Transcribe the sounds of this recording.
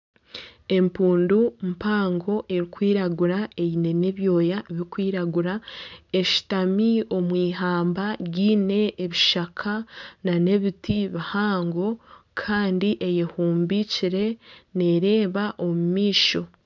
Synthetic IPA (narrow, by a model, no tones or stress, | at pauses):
e̞mpuːndumpaːŋɡo̞ʔe̞ɾikwiːɾaɡuɾae̞jine̞ne̞βjo̞ːjaβiɾikwiːɾaɡuɾae̞ʃi̥tamio̞mwiːɦaːmbaɟiːne̞ːβiʃakʰanane̞βitiβihaːŋɡo̞kʰaːndiʔejehuːmbiciɾe̞neɾe̞ːβaʔo̞mumiːʃo̞